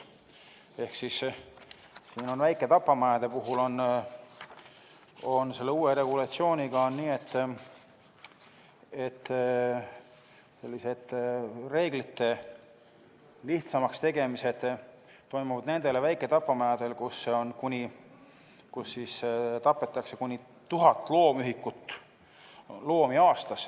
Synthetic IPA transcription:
e̞hksis | siːno̞nvæjkːˑe̞t̪ɑpːˑɑmɑjɑd̪̥e̞puɦulo̞n | o̞nse̞lːeuːweɾe̞ɡ̥ulɑt̪sio̞ːnʲiɡɑonːiːe̞t̪ː | et̪ː | se̞lːise̞d̪re̞ːɡlit̪ːe̞ | liht̪sɑmɑkst̪e̞ɡ̥e̞mise̞d̪̥ | t̪ːo̞jmuvɑd̪̥ne̞nd̪̥e̞levæjkːˑe̞t̪ɑpːˑɑmæjɑd̪̥e̞lkusːeo̞nkunʲi | kusːist̪ɑpːˑe̞t̪ːˑɑkse̞kunʲi | t̪uɦɑt̪ːˑlo̞ːmyɦikːˑut̪ː | lo̞ːmiɑːst̪ɑs

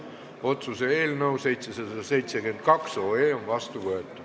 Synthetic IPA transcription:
o̞t̪suseeːlnəwse̞jt̪sesɑd̪ɑse̞jt̪seɡyend̪̚kɑkso̞ːeːo̞nvɑst̪uvɤet̪ːˑu̥

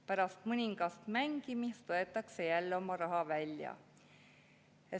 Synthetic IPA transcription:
pæɾɑst̪mɯnʲiŋɡ̥ɑst̪mæŋɡ̥imist̪o̞e̞t̪ːˑɑkse̞jælːo̞mɑɾɑɦɑvælʲjɑ̰ | e

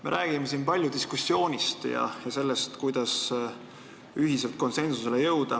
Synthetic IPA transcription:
me̞ɾʔæːɡ̥imes̬inpɑlʲjud̪̥iskusːjo̞ːnʲist̪jɑ̰jɑse̞lːe̞st̪kujd̪̥ɑs | yɦise̞lt̪̚ko̞nse̞nsusele̞jɤwd̪̥ɑ

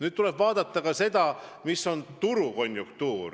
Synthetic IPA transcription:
nyːd̪̥̚t̪ule̞b̥vɑːd̪ɑt̪ˑːɑkɑse̞d̪̥ɑmisːo̞nt̪uɾuko̞nʲjukt̪uːr

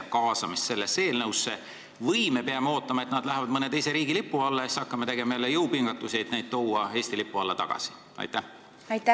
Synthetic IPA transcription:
kɑːsɑmist̪se̞lːese̞ːlnɤwsːe | vɤjmepeɑmeo̞ːt̪ˑːɑmɑet̪nɑd̪læɦevɑd̪̚mɤne̞t̪ejse̞ɾiːɡilipːˑuɑlːɑesɑkːɑmet̪e̞ɡ̥e̞mɑjelːejɤwpiŋɡ̥ɑt̪ːˑuse̞jd̪nejd̪̥̚t̪o̞wɑe̞ːsʲt̪ilipːˑuɑlːɑt̪ɑɡ̥ɑ̰si̥ | ɑ̰jt̪ːæh | ɑjt̪ː

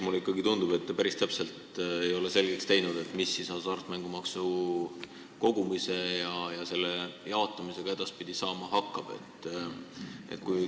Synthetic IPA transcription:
muleikːˑɑɡit̪und̪ub̥e̞t̪ːepæɾist̪æpse̞lt̪e̞jo̞le̞se̞lɡ̥e̞kst̪e̞jnud̪̥e̞t̪ːˑmisːisɑsɑrt̪ːˑmæŋɡ̥umɑksu | ko̞ɡ̥umise̞jɑjɑse̞lːe̞jɑot̪ːˑɑmise̞ɡ̥ɑe̞d̪̥ɑspid̪̥isɑːmɑɦɑkːˑɑb̥e̞̰t̪ːˑ | e̞̰t̪̚ːˑkuj

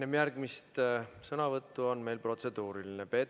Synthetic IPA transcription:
nemjærɡ̥mist̪sɤnɑvɤt̪ːuo̞nme̞jlpro̞t̪se̞d̪̥uːɾilinepe̞

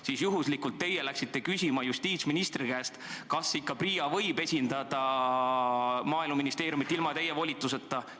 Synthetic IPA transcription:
siːsjuɦuslikːult̪ːe̞jelæksit̪ːe̞kysʲimɑjust̪iːt̪sminist̪ɾikæːst̪kɑsikːɑpriːɑvɤ̞jbe̞sʲind̪̥ɑd̪̥ɑ | mɑːilmɑminist̪e̞ːɾjumit̪ːˑilmɑt̪e̞je̞vo̞lʲit̪ˑːuse̞t̪ːˑɑ

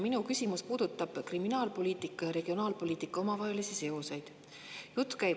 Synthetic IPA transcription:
minukysʲimuspuːd̪̥ut̪ːˑɑb̥kriminɑːlpo̞liːt̪ˑikːˑɑjɑɾe̞ɡ̥io̞nɑːlpo̞lʲiːt̪ikːˑɑo̞mɑvɑɦe̞lisise̞osejd̪̥ | jut̪ːˑkæj

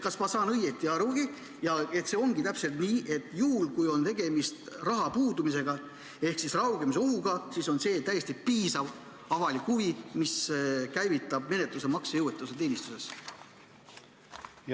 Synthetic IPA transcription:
kɑsmɑsɑːnɤjet̪ːˑiɑɾuɡ̥i | jɑe̞t̪ːse̞o̞ŋɡ̥it̪æpse̞lt̪niːʔe̞t̪ːˑjuɦulkujo̞nt̪e̞ɡe̞mist̪rɑɦɑpuːd̪umise̞ɡ̥ɑ | e̞hksisrɑwɡe̞mis̬e̞o̞ɦuɡ̥ɑsiso̞nse̞ːt̪æje̞st̪ipiːsɑv | ɑvɑlikhuvimiskæjvit̪ːˑɑbme̞ne̞t̪luse̞mɑksejɤwet̪ːˑuse̞t̪e̞ːnist̪use̞s

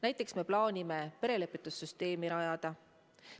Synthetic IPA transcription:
næjt̪ːˑe̞ksme̞plɑːnʲime̞pe̞ɾe̞lepːˑit̪ːˑusːyst̪e̞ːmiɾɑjɑd̪̥ɑ

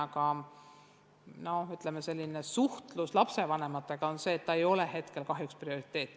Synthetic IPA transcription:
ɑkɑ | no̞yt̪ˑlemese̞lʲːine̞suht̪luslɑpse̞vɑne̞mɑt̪ːˑe̞ɡ̥ɑo̞nse̞ːt̪ːɑejo̞le̞ɦe̞t̪ke̞lkɑɦjuksprio̞ɾit̪ːˑe̞ːt̪ːˑ

